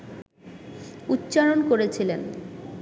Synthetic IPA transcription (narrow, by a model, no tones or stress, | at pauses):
utːɕaɾonkoɾet͡ɕʰilen